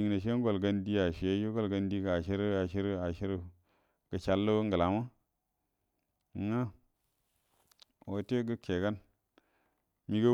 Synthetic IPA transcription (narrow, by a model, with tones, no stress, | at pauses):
i˨ŋna˨ʃ̬e˦ɡo˨lɡa˦ndi˦a˨ʃi˨e˦jo˦ɡo˨lɡa˨ndi˦ɡa˨ʃi˦ɾa˨ʃi˦ɾa˨ʃi˦ɾu˦˨ | ɡ̥ə˨t͡ʃa˨lːo˦ŋɡə˨la˨ma˦˨ | ŋa˦ | wo˨te˦ɡə˦kʰe˨ka˦n | mi˦ɡə˦